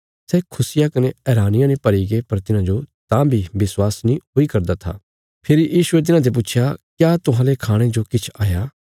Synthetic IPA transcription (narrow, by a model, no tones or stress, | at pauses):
sɛːkʰʊsɪjakɐneɛːɾaːnɪjãnĩpɐɾiɡepɐɾt̪ɪnãd͡ʒot̪ãbʱibɪswaːsnĩɦoikɐɾd̪at̪ʰa̰ː | pʰɪɾijiːʃʊet̪̬ɪnãd̪̬ep̬uːt͡ʃʰjakjaːt̪ʊɦãːlekʰaːɽ̃ẽd͡ʒokɪt͡ʃʰaːjaː